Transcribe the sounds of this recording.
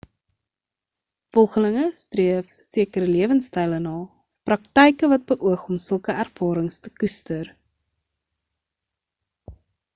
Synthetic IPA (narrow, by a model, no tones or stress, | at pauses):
fɔlˠχələŋəstriəfsiəkəɾəliəvənstɛjlənɑː | prɐk̚tɛjkəvɐt̚bəʔuəχɔmsəlˠkəærvɑːɾəŋstəkystər